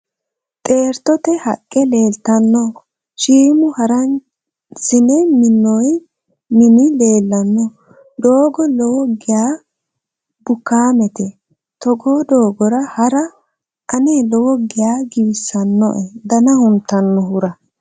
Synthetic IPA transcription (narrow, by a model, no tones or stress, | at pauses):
t̪ʼe̞ːɾt̪ɔt̪ɛhɐkʼːɛleːlt̪ɐnːɔ | ʃiːmʊhɐɾɐn | sɪnɛmɪnːɔj | mɪnɪle̞ːlːɐnːɔ | d̪oːɡɔlɔwɔɡɪjaː | bʊkːaːmɛt̪ɛ | t̪ɔɡoːd̪o̞ːɡɔɾɐhɐɾɐ | ʔɐneːlɔwɔɡɪjaːɡɪbɪsːɐnːɔ̰ʔɛd̪ɐnɐhʊmt̪ːɐnːɔɦʊɾɐ